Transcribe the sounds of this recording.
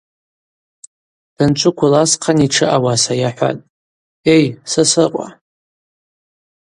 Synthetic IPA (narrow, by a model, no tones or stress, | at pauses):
d̥ant͡ʃʷʰʼʊkʷʰʊlasqʰaniʈ͡ʂʰɨʔawasajaħʷa̰tʼ | e̞jsasɨqʷʼa̰